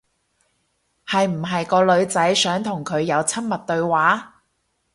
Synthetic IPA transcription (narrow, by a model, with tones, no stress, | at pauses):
hɐ˨jm̩˨˩ɦɐ˨jkɔː˧lɵ˨˧ɥt͡sɐ˨˥jsœː˨˥ŋt̪ʰʊ˨˩ŋkʰɵ˨˧ɥjɐ˨˧wt͡sʰɐ˥nmɐ˨t̚t̪ɵ˧ɥwaː˨˥